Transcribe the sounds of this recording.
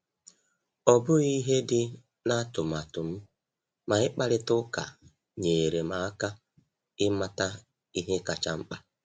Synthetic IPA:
ɔ˨bʊ˦i˦ɦe˦dɪ˦ | na˦tʊ˨m̩˨a˨tʊ˨m̩˦ | ma˨ɪ˦k͡pa˦ɾɪ˦tʊ˦ka̰˨ | ɲeː˨ɾe˨ma˨˦a˦ka˦ | ɪ˦ma˦ta˦ | i˦ɦe˦ka˨t͡ʃa˦ŋ͡m̩˦k͡pa˦

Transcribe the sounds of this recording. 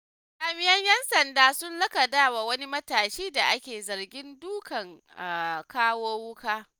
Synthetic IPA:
kaː˨mɪ˦jɐ˦ɲjɛ˦nsɐ˨ndaː˦sʊ˦nlɐ˦kɐ˨daː˦wa˨wɐ˦ni˦mɐ˦taː˨ʃiː˦da˨ʔa˦kʲeː˨zɐ˨ɾɡʲɪ˦nduː˦kɐ˨ŋ˨ | kaː˦woː˦wʊ˦kaː˦

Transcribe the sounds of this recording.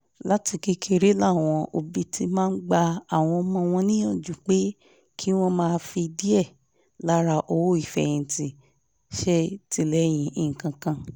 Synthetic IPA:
la˦ti˧ki˦kʰe˧ɾe˦la˦˨w̃ɔ̃˧ʔo˧˨bi˧tʰi˧mãː˦n̩˦ɡ͡ba˧a˦˨w̃ɔ̃˧mɔ̃˧˦w̃ɔ̃˧nĩ˦ɔ̃˦˨d͡ʒu˨k͡pe˦ | kʰi˦w̃ɔ̃˧mãː˦˧fi˧i˧di˦ɛ˦˨ | la˦ɾa˧ʔo˧˨wo˦i˦˨fɛ˨j̃ĩ˧˨ti˨ | ʃe˧˦ti˧˨lɛ˨˦j̃ĩ˨ʔi˨ŋ̩˨kã˧kã˧

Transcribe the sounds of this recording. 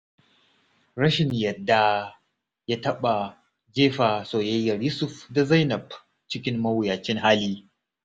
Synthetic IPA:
ɾɐ˦ʃɪ˨ɲjɐ˨dːa˨ | ja˦tɐ˦ɓa˨ | d͡ʒeː˦ɸaː˨soː˨jɐ˦jːɐ˨rjʊ˦sʊ˨ɸda˨zɐ˦jnɐ˨b | t͡ʃɪ˦kʲɪ˦mːɐ˦wjaː˨t͡ʃɪ˦ŋɦaː˦liː˦

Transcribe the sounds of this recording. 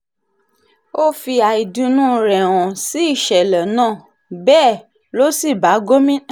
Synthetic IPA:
o˦fi˧a˨i˨dũ˧nũ˦ɾɛ˨w̃ɔ̃˨si˨˦i˦˨ʃɛ˨lɛ˨nãː˦˨ | bɛː˦˨ | lo˦si˦˨ba˨˦ɡo˦mĩ˦

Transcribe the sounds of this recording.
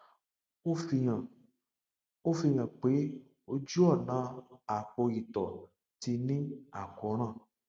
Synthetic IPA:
o˦fi˧ɲã˨ | o˦fi˧ɲã˨k͡pe˨˦ | o˦d͡ʒu˦ɔ˦˨nã˨˦a˨k͡po˧ɣi˨t̪ɔ˨ | ti˧nĩ˦a̰˨kɔ˨˦ɾ̃ã˦˨

